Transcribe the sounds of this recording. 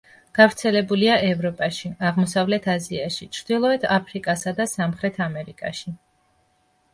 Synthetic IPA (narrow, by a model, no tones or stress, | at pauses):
ɡ̥avɾt̪sʰɛlɛbuliaʔɛvɾɔpʼaʃiaʁmɔsavlɛt̪ʰaziaʃit͡ʃʰɾd̪̥ilˠɔɛt̪ʰapʰɾikʼasad̪asamχɾɛt̪ʰamɛɾikʼa̰ʃi